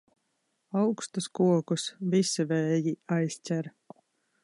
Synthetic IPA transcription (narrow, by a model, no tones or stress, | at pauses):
awkst̪uskuɔkusvisivɛːjiajsʲtʲæɾ